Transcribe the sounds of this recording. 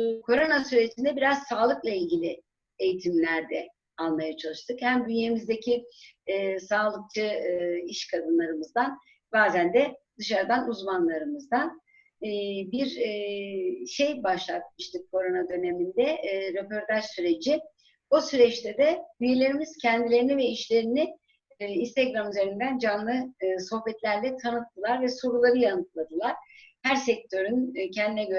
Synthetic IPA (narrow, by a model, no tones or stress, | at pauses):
kʰo̞ɾo̞nasyɾe̞d͡ʒind̪ɛbiɾaz̥saːlˠɯklˠailʲɟilʲi | e̞jit̪ʰimlʲæɾd̪ɛ | alˠmajat͡ʃʰalˠɯʃt̪ʰɯkhæmbyjemizd̪e̞cʰi | saːlˠɯk̚t͡ʃʰɯiʃkʰad̪ɯnlˠaɾɯmɯzd̪an | baːzænd̪ɛd̪̥ɯʃaɾd̪anuzmanlˠaɾɯmɯzd̪anː | biɾ | ʃe̞jbaʃlˠat̪̚mɯʃt̪ʰɯkkʰːo̞ɾo̞nad̪ø̞ne̞mind̪ɛɾepo̞ɾt̪ʰaʒsyɾe̞d͡ʒi | busyɾɛt͡ʃt̪ʰɛd̪ɛbyje̞lʲe̞ɾimiz̥cʰɛnd̪ilʲe̞ɾinivɛiʃlʲe̞ɾini | inst̪ʰeɡɾamyze̞ɾind̪ænd͡ʒanlˠɯso̞hbɛt̪lʲæɾlʲɛt̪ʰanɯt̪ʰːɯlˠaɾvɛso̞ɾulˠaɾɯjanɯt̪lˠad̪ɯlˠaɾ̥hæɾsɛc̚t̪ʰø̞ɾyncʰɛnd̪inɛɟø